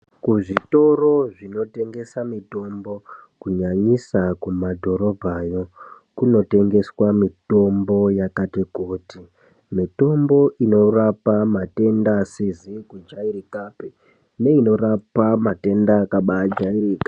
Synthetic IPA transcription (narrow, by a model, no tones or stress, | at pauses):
kuʐito̞ro̞ʐino̞te̞ŋɡe̞samito̞mbo̞kuɲaɲisakumadʱo̞ɾo̞bʱajo̞ | kuno̞te̞ŋɡe̞swamito̞mbo̞jakatekuːti | mito̞mbo̞ʔino̞rapamate̞ndasizikud͡ʒaiɾikape | ne̞ino̞ɾapamate̞ndakaɓad͡ʒaiɾiːka